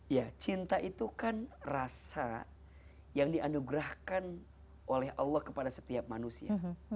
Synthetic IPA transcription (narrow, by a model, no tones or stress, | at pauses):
jat͡ʃint̪aʔit̪ukanrasa | jaŋdiʔanuɡɾahkan | ʔolɛɦʔɑlːɑhkəpadasə̥t̪iap̚manusia